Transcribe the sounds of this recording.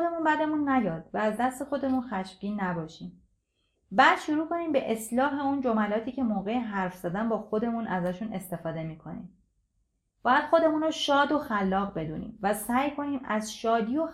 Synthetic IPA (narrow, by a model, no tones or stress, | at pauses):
d̪e̞muːnbæd̪e̞munːæjɒːd̪̥væːzd̪æst̪e̞xo̞d̪e̞munxæʃfɡiːnːæbɒːʃiːm | bæːd̪̥ʃuɾuːko̞niːmbe̞ʔeslɒːɦe̞und͡ʒomælɒːt̪ʰiːcʰe̞moːɣe̞jeɦæɾfz̥æd̪ænbɒːxo̞d̪e̞munʔæzæʃune̞st̪e̞fɒːd̪e̞miːkʰo̞nḭːm | b̥ɒːjæd̪̥xo̞d̪e̞muːnɾoʃɒːd̪oxælːɒːɣbe̞d̪ṵːnḭːmvæsæːjkʰo̞niːmæzʃɒːd̪iːjo